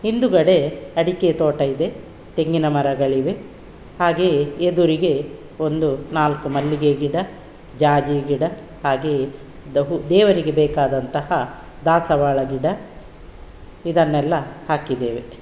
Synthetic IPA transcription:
hind̪uɡɐɽe̞ɐɽiket̪oːʈɐid̪e̞ | t̪e̞ŋɡinɐmɐɾɐɡɐɭiʋe̞ | haːɡeːed̪uɾiɡe̞ | o̞nd̪unaːlkumɐlːiɡeɡiɽɐ | d͡ʒaːd͡ʒiɡiɽɐ | haːɡeː | ud̪ɛːʋɐɾiɡe̞bɛːkaːd̪ɐnt̪ɐhɐ | d̪aːsɐʋaːɭɐɡiɽɐ | id̪ɐnːɛlːɐhaːkid̪eːʋe

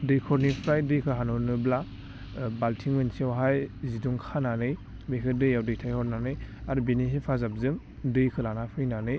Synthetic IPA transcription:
dɯjkʰɔɾnipʰɾajdɯjkʰɯɦanɔɾnɯbla | baltʰiŋmɯnsiawɦajziduŋkʰananɯj | bejkʰɯdɯjawdɯjtʰajhɔɾnanɯjaɾubeniɦipʰazap̚zɯŋ | dɯjkʰɯlanapʰɾɯjnanɯj

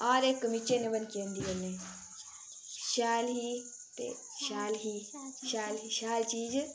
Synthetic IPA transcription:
aːɾeːkmit͡ʃeneʋənkiənd̪iːɐlːe | ʃaːlɦi | t̪ḛ | ʃaːlɦiʃaːlɦiʃaːlt͡ʃiːd͡ʒ

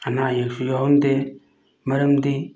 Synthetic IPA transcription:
ɐnajaksujaɦonde | mɐɾəmd̪i

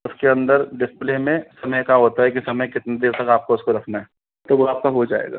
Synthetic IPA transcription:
ʊskeɐ̃nd̪əɾɖɪspleːmẽsɐməjkaɦoːt̪aɦɛk̬isɐməjkɪt̪ned̪eːɾt̪ɐkaːp̚koʊskoɾɐkʰnaɦɛ | t̪oʋoaːp̚kaɦod͡ʒaːḛːɡa̰ː

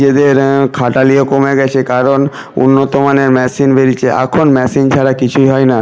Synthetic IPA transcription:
ed̪eɾkʰaʈaliokomeɡɛt͡ɕʰekaɾon | ṵnːot̪omaneɾmɛsinbeɾit͡ɕʰeʔɛ̰kʰonmɛsint͡ɕʰaɽakit͡ɕʰuiɦɔena

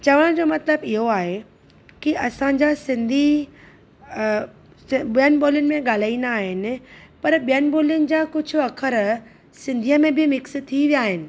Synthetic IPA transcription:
t͡ɕɐʋəɽ̃d͡ʑoːmɐt̪ləbɪɦoaːɦe | kiɐsãɲd͡ʑasɪ̃nd̪ʱi | iənɪboːlijʊnɪ̆mẽɠaːl̤aːinaːɦɪnɪ̆pɐɾɓijənɪboːlijʊnɪ̆d͡ʑakʊd͡ʑʱʊ̆ɐkʰəɾ | sɪ̃nd̪ʱiːəmẽbɪmɪkst̪ʰiʋijaːɦɪnɪ̆

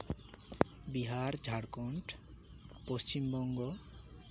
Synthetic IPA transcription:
biɦaɾd͡ʒʱaɽkɔɳʈ | post͡ʃimbɔŋɡɔ

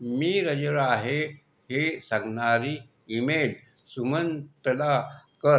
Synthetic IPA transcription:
miːɾəd͡ʑəɭaɦe | hesaŋɡnaɾiː | mel | sumənt̪əlakəɾ

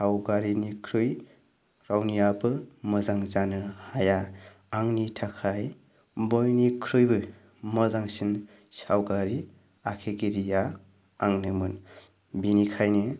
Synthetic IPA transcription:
sawɡaɾinikʰɾɯj | ɾawnijabɯmɯzaŋzanɯhaja | aŋnitʰakʰaj | bɔjnikʰɾɯjbɯ | mɔzaŋsin | sawɡaɾi | akʰeɡiɾija | aŋnɯmɯn | binikʰajnɯ

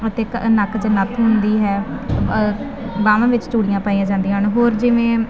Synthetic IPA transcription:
ət̪eːknəkʰd͡ʒənət̪ʰɦʊnd̪iːɦɛː | baːʋãːʋɪt͡ʃʈuːɽijãːpaːiːãːd͡ʒãːnd̪iːɦəɳɦoːɾd͡ʒɪʋẽː

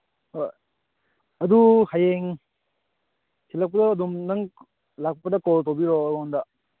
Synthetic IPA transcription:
hoj | ɐduhajeŋ | sʰilɐk̚pɐdɐːdumnɐŋ | lak̚pɐdɐkɔltowbiɾɔɾɔndɐ

